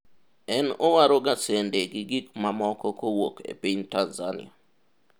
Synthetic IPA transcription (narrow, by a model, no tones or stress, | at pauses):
ɛnowaɾoɡasendeɡiɡikmamɔkɔkowokʰḛpiɲtanzanɪ̰a